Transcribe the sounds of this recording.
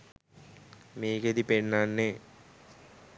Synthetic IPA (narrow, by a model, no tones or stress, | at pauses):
meːked̪ipenːanːe